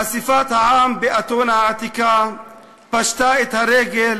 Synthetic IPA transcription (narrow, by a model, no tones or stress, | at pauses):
asifat̪haaːmbeʔɐt̪oːnaat̪ika | pɐʃt̪aːet̪ɐɾeɡel